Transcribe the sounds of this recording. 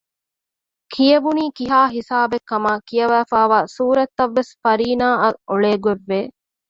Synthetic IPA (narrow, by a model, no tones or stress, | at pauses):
kʰijɐbuniːkiɦaːɦisaːbekːɐmaːkijɐʋæːfaːʋaːsuːɾɐt̪ːɐʋːesfɐɾiːnaːʔɐoɭeːɡueʋːeː